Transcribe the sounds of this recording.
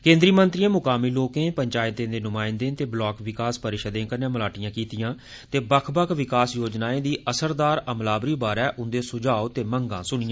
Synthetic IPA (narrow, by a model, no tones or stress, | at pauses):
kẽːnd̪ɾiːmənt̪ɾiːãːmʊkaːmiːloːkẽːpəɲt͡ʃaːɪt̪ẽːd̪eːnʊmaːɪnd̪ẽːt̪eːblɔːkʋɪkaːspəɾɪʃəd̪ẽːkəɾnẽːmlaːʈijãːkiːt̪ɪjãː | t̪eːbəkʰbəkʰʋɪkaːsjoːd͡ʒnaːẽːd̪iːʔəsəɾd̪aːɾəmlaːbɾiːbaːɾɛːʔʊnd̪eːsʊd͡ʒaːot̪eːməŋɡãːsʊnɪjãː